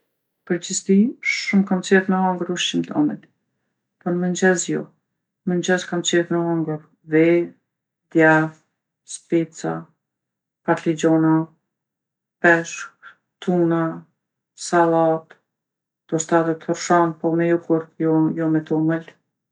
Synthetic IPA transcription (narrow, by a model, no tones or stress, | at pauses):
pəɾd͡ʑist̪iʃumkamt͡sɛðmɛɔŋɡɾuʃimt̪ʰɔ̰mən | pɔnmənd͡ʑɛzjɔ̰ | mənd͡ʑɛskamt͡ʃɛðmɛɔŋɡəɾ | vɛ | d̪jav | spit͡sa̰ | paɾlid͡ʑɔna | pɛʃk | t̪una | salˠat̪ | d̪̥ɔst̪aðɛt̪hɔɾʃɔnpɔmɛjukuɾjɔjɔmɛt̪ɔməl